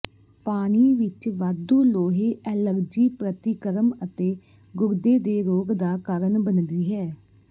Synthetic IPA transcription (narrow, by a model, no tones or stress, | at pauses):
paːniːʋɪt͡ʃʋaːd̪oːloːɦeːʔɛləɾd͡ʒiːpɾət̪ɪkəɾəmət̪eː | ɡʊɾd̪eːd̪eːɾoːɡd̪aːkaːɾənbənd̪iːɦɛː